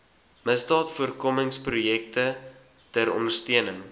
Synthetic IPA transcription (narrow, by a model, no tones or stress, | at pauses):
məsdɑːtfuərkɔməŋsprujɛk̚tə | tæɾɔ̰ndərstiənəŋ